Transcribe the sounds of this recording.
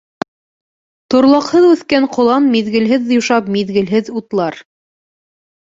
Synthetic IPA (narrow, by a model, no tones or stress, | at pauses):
t̪ŏɾlˠɑqhɤðʉθkæɴqŏlˠɑnmiðɡɘ̆lɦɘðːjuʃɑpmiðɡɘ̆lɦɘðut̪lˠɑɾ